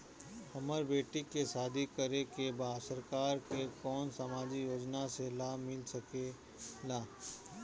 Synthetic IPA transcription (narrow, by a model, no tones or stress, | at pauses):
hɐməɾbeːʈikesaːd̪ʱikəɾekebaːd̪səɾkaːɾkekɔːnsəmaːd͡ʒijoːd͡ʒnaselaːmɪlsəke | laː